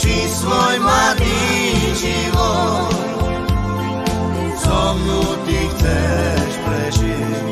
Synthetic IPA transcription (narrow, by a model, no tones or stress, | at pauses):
t͡ʃisvɔjmad̪iʒivɔ | sɔmnut̪ixt̪sɛʃpɾɛʒi